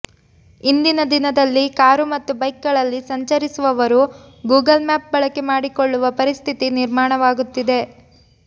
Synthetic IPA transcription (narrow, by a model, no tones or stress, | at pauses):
ind̪inɐd̪inɐd̪ɐlːikaːɾumɐt̪ːubɐjkɡɐɭɐlːisɐɲt͡ʃɐɾisuʋɐʋɐɾu | ɡuːɡɐlmaːp̚bɐɭɐkemaːɽikoɭːuʋɐpɐɾist̪ʰit̪iniɾmaːɳɐʋaːɡut̪ːid̪e̞